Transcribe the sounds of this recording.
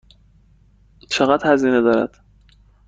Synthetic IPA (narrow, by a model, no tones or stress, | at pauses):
t͡ʃʰeɣæd̪hæziːned̪ɒːɾæ̰d̪̥